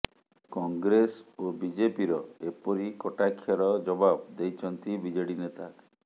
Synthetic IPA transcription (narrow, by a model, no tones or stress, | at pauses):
kɔŋɡɾesobid͡ʒepiɾɔepɔɾikɔʈakʰːjaɾɔd͡ʒɔbabd̪ejt͡ʃʰɔnt̪ibid͡ʒeɽinet̪a